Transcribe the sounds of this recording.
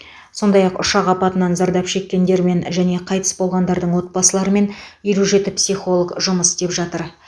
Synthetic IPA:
so̞nd̪ɑjɑqʊ̰ʃɑqɑpɑt̪ənɑnzɑɾd̪ɑpʃe̞kʲːe̞nd̪e̞ɾme̞nʒæne̞qʰɑjt̪ə̥sbo̞lˠʁɑnd̪ɑɾd̪əɴwo̞t̪̚bɑsəlˠɑɾəme̞neɾuʒe̞t̪ɪpsijχo̞lˠəɡʒʊməst̪e̞pʒɑt̪əɾ

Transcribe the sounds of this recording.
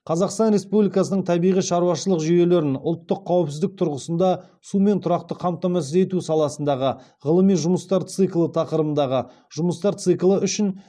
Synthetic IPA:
qʰɑzɑqst̪ɑnɾe̞spublijkɑsənəɴt̪ʰɑbijʁijʃɑɾuwɑʃəlˠəqʒoje̞le̞ɾɪnʊ̰lˠt̪ːəqʰːɑwəpsɪzd̪ɪk̚t̪ʰʊɾʁəsənd̪ɑ | sume̞nt̪ʰʊɾɑqt̪əqʰɑmt̪ɑmɑs̬əze̞t̪usɑlˠɑsənd̪ɑʁə | ʁəlˠəmijʒʊməst̪ɑɾt̪sɨklˠət̪ʰɑqəɾəbənd̪ɑʁə | ʒʊməst̪ɑɾt̪sɨklˠəʔʏʃɪn

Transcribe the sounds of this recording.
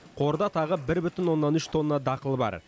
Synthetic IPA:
qʰo̞ɾd̪ɑt̪ʰɑʁəbɪɾbʏt̪ɪnwo̞nːɑnʏʃt̪ʰo̞nːɑd̪ɑqəlˠbɑ̰ɾ

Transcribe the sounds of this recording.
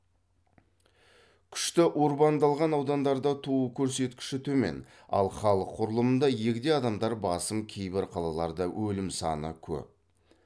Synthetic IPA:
kʲʰʏ̥ʃt̪ɪʔwo̞ɾbɑnd̪ɑlˠʁɑnɑwd̪ɑnd̪ɑɾd̪ɑt̪ʰuəkʲʰɵɾse̞t̪kʲɪ̥ʃɪt̪ʰɵme̞̰n | ɑ̰lˠχɑlˠəqʰːʊɾəlˠəmənd̪ɑje̞kʲd̪e̞jɑd̪ɑmd̪ɑɾbɑsəmkʲʰe̞jbɪɾqʰɑlˠɑlˠɑɾd̪əwʔɵlɪmsɑ̰nə̰kʲʰɵ̰p̚

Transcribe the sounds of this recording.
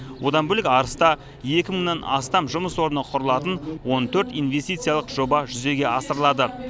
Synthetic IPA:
wo̞d̪ɑnbɵlɪkʲɑɾəst̪ɑ | je̞kʲɪməŋnɑnɑ̰st̪ɑmʒʊməswo̞ɾənəqʰʊɾəlˠɑt̪ənwo̞nt̪ʰɵɾt̪ijnve̞st̪ijt̪sɨjalˠəqʒo̞bɑʒʏze̞ɡʲe̞ɑsəɾəlˠɑd̪ə

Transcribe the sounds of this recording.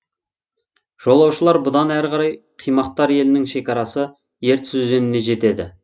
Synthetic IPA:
ʒ̥o̞lˠɑwʃəlˠɑɾbʊd̪ɑnæɾʁɑɾɑjqʰijmɑqt̪ːɑɾje̞lɪnɪŋʃe̞kʲɑɾɑsə | je̞ɾt̪sʏze̞nɪne̞ʒe̞t̪e̞d̪ɪ̰

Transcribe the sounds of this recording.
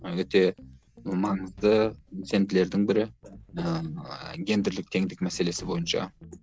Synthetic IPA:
wɵt̪e̞ | mɑɴəzd̪əse̞nd̪ɪle̞ɾd̪ɪŋbɪɾɪə | ɡʲe̞nd̪ɪɾlɪk̚t̪ʰe̞ŋd̪ɪkmæse̞le̞sɪbo̞jənʃɑ̰

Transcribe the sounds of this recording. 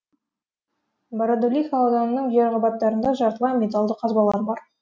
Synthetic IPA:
baɾad̪olʲixalˠad̪ɑnənəɴʒeɾʁɑbɑt̪ːɑɾənd̪ɑʒɑɾt̪əlˠɑmʲe̞t̪alˠd̪əqʰɑzbɑlˠɑɾbɑɾ

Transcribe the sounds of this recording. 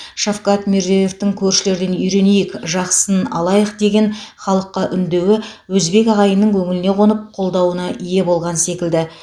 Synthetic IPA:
ʃofkɑt̪merzeje̞ft̪ɪŋkʲʰɵɾʃɪle̞ɾd̪e̞nʏjɾe̞nejɪkʒɑqsənɑlˠɑjəqd̪e̞ɡʲe̞nχɑlˠəqːɑʔʏnd̪e̞wɪwɵzbe̞kʲɑʁɑjənəŋkʲʰɵŋɪlɪne̞qʰo̞nəp̚qʰo̞lˠd̪ɑwənɑʔije̞bo̞lˠʁɑnse̞kʲɪld̪ɪ

